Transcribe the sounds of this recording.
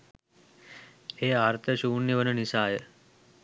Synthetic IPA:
eaːɾt̪ʰəɕuːnːiʋənunisaːjə

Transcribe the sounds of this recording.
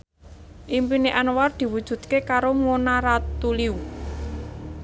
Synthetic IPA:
ʔimpineʔanward̪̥i̤wud̥ʒ̥ṳd̪̚kekaɾoŋonaɾat̪uliu

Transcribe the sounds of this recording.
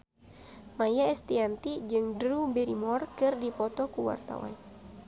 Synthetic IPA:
majaɛst̪iant̪id͡ʒɨŋdɾubɛɾimɔrkɨrdipɔt̪ɔkuwa̰rt̪a̰wa̰n

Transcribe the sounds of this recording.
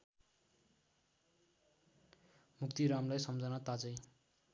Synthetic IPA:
mukt̪iɾamlajsʌmd͡zʌnat̪ad͡zʌj

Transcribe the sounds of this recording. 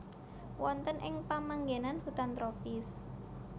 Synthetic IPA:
wɔnt̪ənʔɪŋpamaŋɡenanhut̪ant̪ɾopɪs

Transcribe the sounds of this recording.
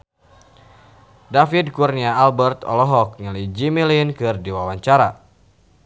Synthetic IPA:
dafid̚kurniaːlbərt̪ɔ̰lɔɦɔk̚ɲəlid͡ʒimilinkɨrdiwawaɲt͡ʃaɾa

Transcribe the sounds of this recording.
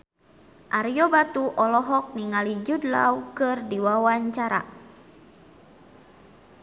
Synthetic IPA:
ʔaɾijɔbat̪uʔɔlɔɦɔk̚niŋalid͡ʒudla̰wkɨrdiwawaɲt͡ʃaɾa̰

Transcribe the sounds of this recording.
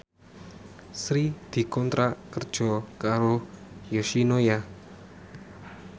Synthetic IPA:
sɾid̪̥i̤kɔnt̪ɾakərd̥ʒ̥ɔ̤kaɾojoʃinoja

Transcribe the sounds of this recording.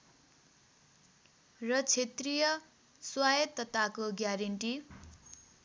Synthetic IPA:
rʌt͡sʰet̪rijʌ | swajʌt̪ʌt̪akoɡjaɾeɳʈi

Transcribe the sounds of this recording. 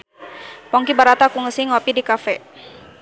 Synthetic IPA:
pɔŋkibaɾat̪akuŋəsiŋɔpidikafɛ

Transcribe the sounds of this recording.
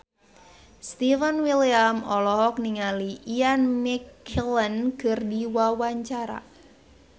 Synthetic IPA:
st̪ifənwiliamɔlɔɦɔk̚niŋaliʔianmikʰlənkərdiwawaɲt͡ʃaɾa̰

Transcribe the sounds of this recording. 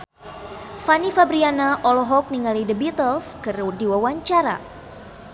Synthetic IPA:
fanifabɾianaʔɔlɔɦɔk̚niŋalidəbit̪əlskɨɾudiwawaɲt͡ʃaɾa̰

